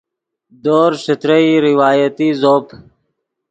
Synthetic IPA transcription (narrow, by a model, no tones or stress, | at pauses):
d̪oːɾsət̪ɾəiɾɪwaːjət̪iːzoːp